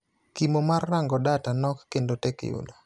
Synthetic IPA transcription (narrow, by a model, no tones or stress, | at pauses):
kimomarːaŋɡɔdatanɔkːendotɛkḛṵlo